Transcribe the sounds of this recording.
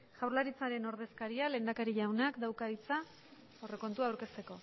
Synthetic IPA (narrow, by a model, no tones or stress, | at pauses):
ʝ̥awɾlaɾit͡saɾe̞no̞ɾð̞e̞skaɾiale̞ːnd̪akaɾiʎawnakd̪awkait͡sa | ore̞ko̞nt̪uawɾke̞st̪e̞ko̞